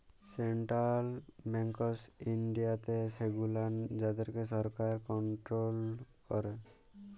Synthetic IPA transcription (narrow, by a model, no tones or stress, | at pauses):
seɳʈɾalbɛŋkɔsiɳɖijat̪eseɡuland͡ʒad̪ɔɾkesɔɾkaɾkɔɳʈɾolkɔɾe